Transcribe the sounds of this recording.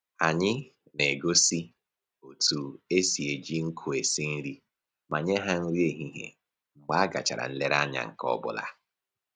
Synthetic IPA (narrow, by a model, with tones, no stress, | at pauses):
a˨ɲɪ˦ | ne˨ɡo˦si˦ | o˨tu˨e˦si˨e˨d͡ʒi˦ŋ̩˦kʰu˨e˨si˦n̩˦ɾi˦ | ma˨ɲe˦ɦa˦n̩˦ɾi˦e˨ɦi˦ɦḛ˨ | ŋ͡m̩˨ɡ͡ba˦a˦ɡa̰˨t͡ʃa̰˨ɾa̰˨n̩˦le˦ɾa˦ɲa̰˦˨ŋ̩˨kɔ̰˦bʊ̰˦la̰˦